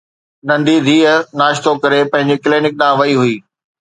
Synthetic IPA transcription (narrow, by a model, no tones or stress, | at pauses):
nɐ̃nd̪id̪ʱiːənaːʃt̪okɐɾepɐ̃ɦɪ̃ɲd͡ʑikliːnɪk̚ɗãːʋɐiɦuiː